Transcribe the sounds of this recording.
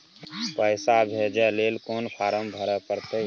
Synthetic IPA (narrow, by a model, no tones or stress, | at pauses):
pəɪsabɦed͡ʒɛleːlkoːnpʰaːɾəmbʱəɾəpəɾt̪e